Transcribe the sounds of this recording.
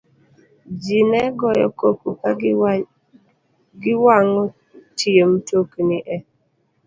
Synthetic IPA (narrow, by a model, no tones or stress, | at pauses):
d͡ʒinɛɡɔjɔ̰kokuka | ɡɪwaŋɔ | tʰiem̩toknɪʔɛ